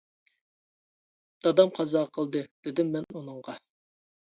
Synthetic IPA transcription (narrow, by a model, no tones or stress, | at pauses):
d̪̥ɑd̪ɑmqʰɑzɑːqʰəlˠd̪ɨd̪̥ɪd̪ɪmːɛnunɨɴʁɑ